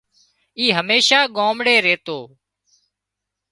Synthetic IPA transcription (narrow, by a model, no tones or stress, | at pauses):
iːɦəmeːʃaːɠoːmɽeːɾeːt̪oː